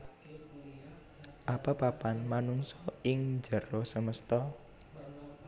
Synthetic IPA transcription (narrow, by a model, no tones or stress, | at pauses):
ʔapapapanmanuŋsɔɪŋd͡ʒə̤ɾosəməst̪ɔ